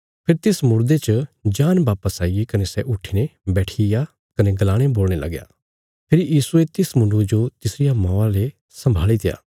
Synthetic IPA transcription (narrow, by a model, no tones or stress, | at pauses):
pʰeɾt̪ɪsmʊɾd̪et͡ʃəd͡ʒaːnbaːpəsaːiekɐnesɛʔʊʈʰinebɛːʈʰija | kɐneɡɐlaːɽ̃eboːlñelɐ̰ɡja̰ː | pʰeːɾijiːsuet̪ɪsmʊ̃ɳɖud͡ʒot̪ɪsɾɪjamãːãle | sɐ̃mbʱaːlit̪ɪja̰ː